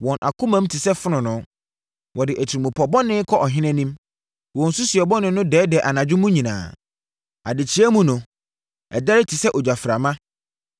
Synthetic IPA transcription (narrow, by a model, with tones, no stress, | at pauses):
wɔ̃˨nʔa̰˨kʰʊ̃˦mã˨˦m̩˦tʰi˨sɛ˦fʊ˦nʊ̃˨nʊ̃˨˦ | wʔɔ˨dɪ˨ʔæ˨tʰi˨ɾi˨mʊ̃˨pʰɔ˨bɔ˦nɪ̃˦kʰɔ˦ʔɔ˨ɦɪ̃˦nɛ̃˦nĩ˦m | wɔ̃˨n̩˨sʊ˦sɥɛ˨bɔ˦nɪ̃˨˦nʊ̃˦dɛː˨˦dɛ˨ʔa˨nã˨d͡ʑᶣʊ˦mũ˦ɲĩ˨nã̰ː˨ | a˨dɪ˨t͡ɕʰɪ˨˦ɛ˦mũ˦nʊ̃˨ | ɛ̰˨da˦ɾɪ˦tʰi˨sɛ˦ʔɔ˨d͡ʑᶣa˨fɾa˨mã˦